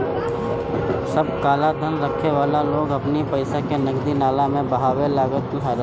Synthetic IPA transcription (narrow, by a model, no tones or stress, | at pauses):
səb̚kaːlad̪ʱənɾəkʰːeʋaːlaloːɡɐpnipəɪsakenɐɡd̪inaːlamẽbɐɦaːwelaːɡət̪ | aɾ